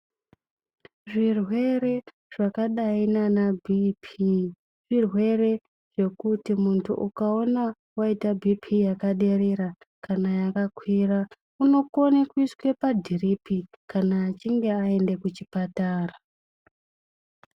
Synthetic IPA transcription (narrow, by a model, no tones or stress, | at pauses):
ʐirwe̞ɾe̞ | ʐ̥akaɗainanabʱipʰi | ʐ̥irwe̞re̞ | ʐ̥e̞kutimuntʰṵʔukao̞na | waitabʱipʰijakaɗe̞ɾeɾa | kanajakakwira | uno̞ko̞nekuiskwe̞padʱiripʰikanaːt͡ʃiŋɡe̞ae̞nde̞kut͡ʃipataːra